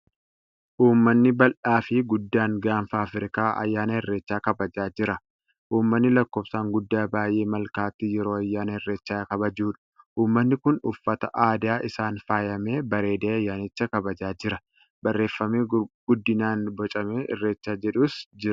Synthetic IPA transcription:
ʔuːmːɐnːɪbɐlʔaːfɪɡʊd̪ːaːŋɡaːnfaːfɾɪkaːʔɐ̰jːaːnɐhɪrːe̞ːt͡ʃːaːkɐbɐd͡ʒaːd͡ʒɪɾɐ | ʔuːmːɐnːɪlɐkːo̞ːbsaːŋɡʊd̪ːaːbaːjʔe̞ːmɐlkaːt̪ːɪjɛɾo̞ːɐjːaːnɐhɛrːe̞ːt͡ʃːaːkɐbɐd͡ʒuːᶑɐ̥ | ʔuːmːɐnːɪkʊnʊfːɐt̪ɐʔaːd̪aːʔɪsaːnfaːjɐme̞ːbɐɾe̞ːd̪eːɐjːaːnɪt͡ʃːɐkɐbɐd͡ʒaːd͡ʒɪɾɐ | bɐrːe̞ːfːɐmiːɡ̥ʊd̪ːɪnaːnbɔt͡ʃʼɐmeːɪ̰rːe̞ːt͡ʃːaːd͡ʒɛᶑuːsd͡ʒɪɾɐ

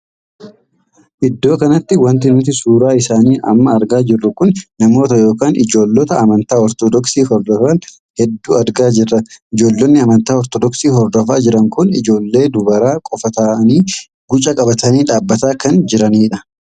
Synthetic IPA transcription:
ʔɪd̪ːo̞ːkɐnɐt̪ːɪwɐnt̪̬ɪnʊt̪̬ɪsuːɾaːɪsaːniːʔɐ̰mːɐːɾɡaːd͡ʒɪrːʊkʊnnɐmo̞ːt̪ɐjo̞ːkaːnʔɪd͡ʒo̞ːlːɔt̪ɐɐmɐnt̪aːɔɾt̪ɔd̪ɔksiːhɔɾd̪ɔfɐn | hɛd̪ːuːɐɾɡaːd͡ʒɪrːɐɪd͡ʒo̞ːlːɔnːɪɐmɐnt̪aːɔɾt̪ɔd̪ɔksiːɦɔɾd̪ɔfaːd͡ʒɪɾɐŋkʊnɪ̰d͡ʒo̞ːlːe̞ːd̪ʊbɐɾaːkʼɔfɐt̪aːɐniː | ɡʊt͡ʃʼɐkʼɐbɐt̪ɐniːᶑaːbːɐt̪aːkɐnd͡ʒɪɾɐniːᶑɐ

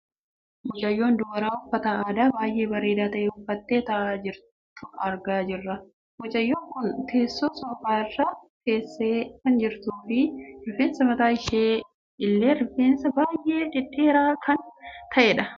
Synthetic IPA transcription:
mɔt͡ʃʼɐjːo̞ːnd̪ʊɡɐɾaːʊfːɐt̪ɐaːd̪aːbaːjʔe̞ːbɐɾeːd̪aːt̪ɐʔeːʊfːɐt̪ːeːt̪ɐʔaːd͡ʒɪɾ | ʊɐɾɡaːd͡ʒɪrːɐ | wʊt͡ʃʼɐjːoːŋkʊnt̪ʰe̞ːsːoːsɔbaːɪrːɐt̪eːsːeːkɐnd͡ʒɪɾt̪uːfɪɾʊfeːnsɐmɐt̪aːɪʃeː | ɪlːe̞ːɾɪfeːnsɐbaːjʔe̞ːᶑ̪ɪᶑeːɾaːkʰɐnt̪ʰɐʔeːᶑɐ

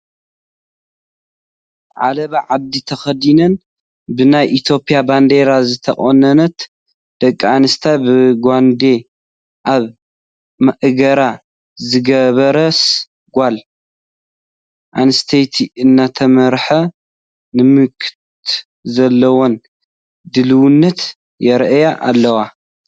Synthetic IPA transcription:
ʕa̰lɐβaʕaβ̚d̪it̪ʰɐxɐd̪inɐn | bɨnajʔit̪ʰjo̞pʼijaband̪eɾazɨt̪ʰɐχʼonɐnɐt̪ | d̪̥ɐkʼːanɨst̪ʰabɨɡʷand̪e̞ | ʔaβ | mɐʔɨɡɐɾa | zɨɡɐβɐɾɐs | ɡʷal | ʔanɨst̪ʰejt̪ʰiʔɨnːat̪ʰɐmɐɾħɐ | nɨmɨkʰt̪ | zɐlːɐwon | d̪ɨlɨwunːɐt̪ | jɛɾʔɨjaʔalːɐwa

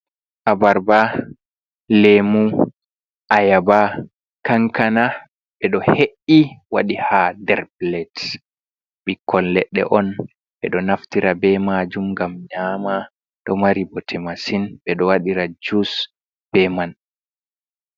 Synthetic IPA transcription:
ʔabaɾba | lemu | ʔajaba | kaŋkana | ɓɛɗɔheʔːiwaɗihadɛɾblɛt | ɓikʰːɔllɛɗːɛ̰ʔɔn | ɓɛɗɔnaftiɾabɛmad͡ʒumɡamɲaːma | ɗɔmaɾibɔtʰɛmasinbɛɗɔwaɗiɾad͡ʒus | b̥ɛman

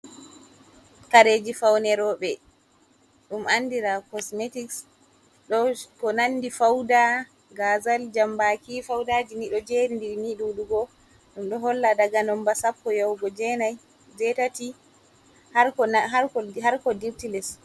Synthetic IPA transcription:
kaɾed͡ʒifawnɛɾɔɓɛ | ɗumʔanːdiɾakɔsmetiks | ɗɔkɔnanːdifawda | ɡazald͡ʒambakifawdad͡ʒiniɗɔd͡ʒeɾindiɾniɗuɗuɡɔ | ɗumɗɔɦɔlːadaɡanɔmbasapːɔjawɡɔd͡ʒɛnaj | d͡ʒɛtati | haɦaɾɔhaɾkɔdiɾtilɛs

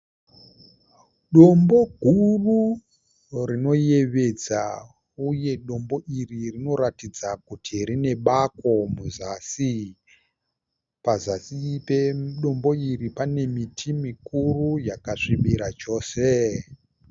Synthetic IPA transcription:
ɗo̞mbo̞ɡʱuru | rino̞je̞ʋe̞d͡za | uje̞ɗo̞mbo̞ʔiririno̞ɾatid͡zakutʰiɾine̞ɓako̞muzasi | pazasipeɗo̞mbo̞iripane̞mitʰimikurujakaʂiɓiɾat͡ʃo̞ːse

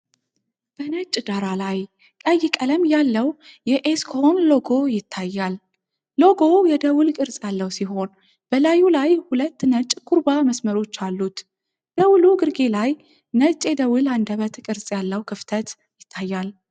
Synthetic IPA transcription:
b̥ənət͡ʃʼd̪aɾalaj | kʼəjːɪkʼələmjalːəwjɛʔeskʰonlo̞ɡo̞jɪt̪ʰːajːal | lo̞ɡo̞jɛd̪əwʊlkʼɨɾsʼjalːəwsiɦo̞n | b̥əlajulajhulət̪ːnət͡ʃʼkʰuɾbaməsməɾo̞t͡ʃːalːut̪ | d̪̥əwʊluɡɨɾɡe̞laj | nət͡ʃʼed̪əwʊland̪əβət̪kʼɨɾsʼjalːəwkʰɨft̪ʰət̪ | jɪt̪ʰːajːal

